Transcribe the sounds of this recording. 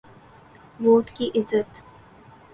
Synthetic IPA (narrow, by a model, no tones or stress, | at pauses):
ʋoːʈkiʔɪzət̪